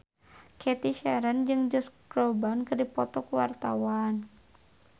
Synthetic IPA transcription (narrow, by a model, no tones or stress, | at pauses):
kʰɛt̪iʃɛɾənd͡ʒɨŋd͡ʒɔskɾɔbankɨrdipɔt̪ɔkuwa̰rt̪a̰wan